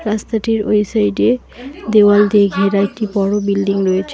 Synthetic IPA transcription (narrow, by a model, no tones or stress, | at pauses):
ɾast̪aʈiɾo̰jsajɖe | d̪ewald̪ʱeɡʱeɾaek̚ʈibɔɽobilɖiŋɾoet͡ɕʰ